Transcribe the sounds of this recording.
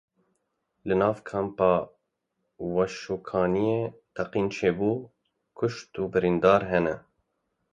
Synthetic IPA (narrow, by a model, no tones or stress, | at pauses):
lɨnɑːvkʰɛmpɑː | wɛʃuːkʰɑːnijeːt̪ʰɛqiːnt͡ʃʰeːbuː | kʰʊʃt̪uːbɨɾind̪ɑːɾɦɛnɛ